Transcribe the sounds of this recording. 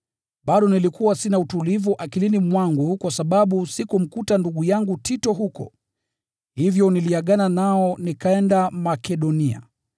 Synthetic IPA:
ɓaɗɔnilikuwasinautulivuʔakilinimwaŋɡukwasaɓaɓusikum̩kutanduɠujaŋɡutʰitɔɦukɔ̰ | hivjɔniliaɠananaɔnikaɛndamakɛɗɔnia̰

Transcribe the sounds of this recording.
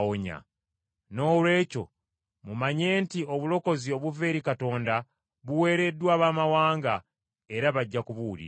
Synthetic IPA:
oɲa̰ | no̞ːlwe̞ːco̞̰ | mumaɲe̞ːntio̞βulo̞ko̞zio̞βuve̞ːɾikato̞ːnda | βuwe̞ːɾe̞dːwaːβaːmawaːŋɡa | e̞ɾaβaɟːakuβuːlḭ

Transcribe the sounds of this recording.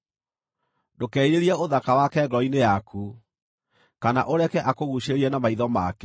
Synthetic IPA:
dokɛiɾeɾiɛoðakawakɛɡɔɔinejakʰu | kana̰ʔoɾɛkɛʔakoɣuʃeɾiɛnamaiðɔma̰kɛ

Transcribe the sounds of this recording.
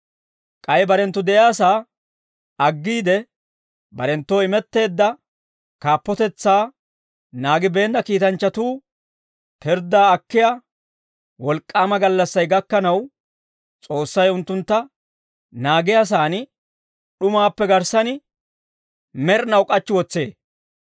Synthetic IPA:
kʼɐjbɐɾɛnt̪ːʊd̪ɛʔjjaːsaː | ɐɡːiːd̪ɛ | bɐɾɛnt̪ːoːɪmɛt̪ːe̞ːd̪ːɐ | kaːpːɔt̪ɛt͡sːaː | naːɡɪbe̞ːnd̪ɐkiːt̪ɐnt͡ʃːɐt̪uː | pɛɾd̪ːaːkːɪja | wɔlkʼːaːmɐɡɐlːɐsːɐjɡɐkːɐnɐw | t͡sʼo̞ːsːɐjʊnt̪ːʊnt̪ːɐ | naːɡɪjaːs̬aːnɪ | ɗʊmaːpːɛɡɐɾsɐnɪ | mɛɾnɐwkʼɐt͡ʃːɪwɔt͡sːe̞ː

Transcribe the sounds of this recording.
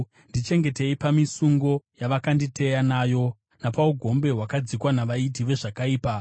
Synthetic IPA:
ndit͡ʃe̞ŋɡe̞te̞ipamisuŋɡo̞jaʋakanditʰe̞janaːjo̞ | napauɡʱo̞mbe̞ɦwakad͡zikwanaʋait̬iʋe̞ʐakaiːpa

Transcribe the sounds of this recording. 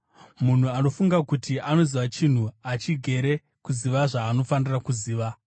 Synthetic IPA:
mun̤uano̞fuŋɡakutiʔano̞ziʋat͡ʃin̤uat͡ʃiɡʱe̞ɾe̞ | kuziʋaʐaːno̞fanirakuziːʋa

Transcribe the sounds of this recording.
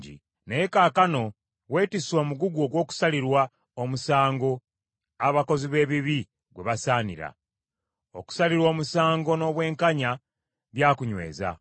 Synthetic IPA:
ɟḭ | nejekaːkano̞ | we̞ːtiswoːmuɡuɡo̞ːɡwo̞ːku̥saliɾwa | omusaːŋɡo̞ | aβako̞ziβe̞ːβiβi | ɡwe̞βasaːnḭɾa̰ | o̞̰ku̥saliɾwo̞ːmusaːŋɡo̞no̞ːβwe̞ːŋkaɲa | βjaːkuɲwe̞̰ːza̰

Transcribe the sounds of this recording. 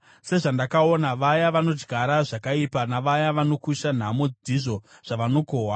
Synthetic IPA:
se̞ʐandakao̞naʋajaʋano̞d͡ʒɡʱaɾaʐakaipanaʋajaʋano̞kuʃan̤amod͡ziʐo̞ʐ̥aʋano̞kowa

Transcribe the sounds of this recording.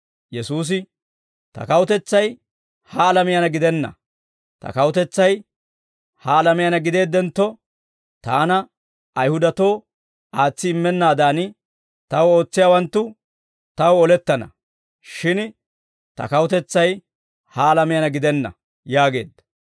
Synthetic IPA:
jɛsuːs̬ɪ | t̪ɐ̰kɐwʊt̪ɛt͡sːɐj | hɐːlɐmɪjɐnɐɡɪd̪ɛnːɐ̰ | t̪ɐ̰kɐwʊt̪ɛt͡sːɐj | hɐːlɐmɪjɐnɐɡɪd̪e̞ːd̪ːɛnt̪ːɔ | t̪aːnɐː | jhʊd̪ɐt̪o̞ː | aːt͡sːɪɪmːɛnːaːd̪aːn | t̪ɐwo̞ːt͡sːɪjaːwɐnt̪ːʊ | t̪ɐwɔlɛt̪ːɐnɐ̰ | ʃɪn | t̪ɐ̰kɐwʊt̪ɛt͡sːɐj | hɐːlɐmɪjɐnɐɡɪd̪ɛnːɐ̰ | jaːɡe̞̰ːd̪ːɐ̥

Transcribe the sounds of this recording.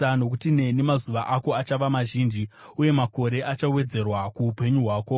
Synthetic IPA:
ano̞k̬utine̞nimazuʋaʔako̞at͡ʃaʋamaʒiːnd͡ʒiuje̞mako̞ɾe̞ʔat͡ʃawe̞d͡ze̞rwakuːpe̞ɲuɦwaːko̞

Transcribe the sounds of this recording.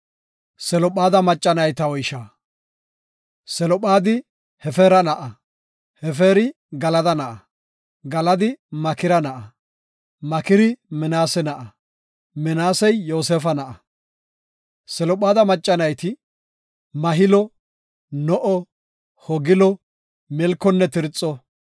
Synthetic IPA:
sɛlɔpaːd̪ɐmɐt͡ʃʼːɐnɐjt̪ɐwɔjʃaː | sɛlɔɓaːd̪ɪ | hɛfɛːɾɐnɐʔɐ | hɛfeːɾɪ | ɡɐlɐd̪ɐnɐʔɐ | ɡɐlɐd̪ɪmɐkɪɾɐnɐʔɐ | mɐkɪɾɪmɛnaːsɛnɐʔɐ | mɛnaːsɛjːo̞ːseːfɐnɐʔɐ | sɛlɔpaːd̪ɐmɐt͡ʃʼːɐnɐjt̪ɪ | mɐɦɪlɔ | nɔʔɔ | hɔɡɪlɔ | mɛlkːɔnːɛt̪ɪɾt͡sʼːɔ

